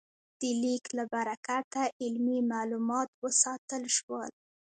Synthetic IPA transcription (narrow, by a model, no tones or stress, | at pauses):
d̪̥əliklabaɾakat̪aʔɪlmimalumɑt̪wəsɑt̪əlʃwəl